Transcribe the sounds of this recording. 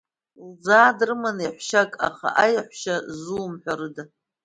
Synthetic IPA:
ld͡zaːdrɨmaniħʷʃakʼa̰χa̰ʔajħʷʃazuːmħʷᶣarɨda

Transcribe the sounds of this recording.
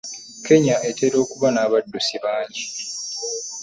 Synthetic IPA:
ke̞ɲaʔe̞teɾo̞ːkuβanaːβadːusiβaːɲɟi

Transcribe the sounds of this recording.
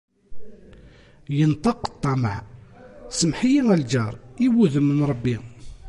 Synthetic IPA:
jənt̪ˤɑqːə̥t̪ˤːɑməʕ | səmħijiŋæld͡ʒɑɾˤiwuðəmːənɾˤəbːi

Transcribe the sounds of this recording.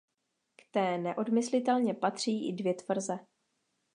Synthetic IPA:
kt̪ɛːnɛʔo̞dmɪslɪt̪ɛlɲɛpat̪r̝̥iːʔɪdvjɛt̪vr̩zɛ

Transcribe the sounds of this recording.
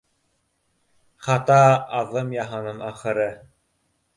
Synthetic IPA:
χɑt̪ɑːðɤmjɑɦɤ̆nɤɴɑχɤ̆ɾɤ

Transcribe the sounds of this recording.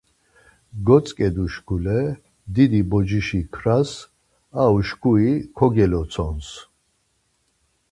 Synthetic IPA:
ɡɔt͡sʼkʼɛd̪uʃkʰulɛ | d̪id̪ibɔd͡ʒiʃikʰɾas | auʃkʰuikʰɔɡɛlɔt͡sʰɔns

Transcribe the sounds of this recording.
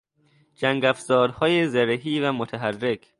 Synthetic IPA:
d͡ʒæŋɡæfzɒːɾhɒːjezæɾeɦiːvæmot̪ʰæɦærːe̞kʰ

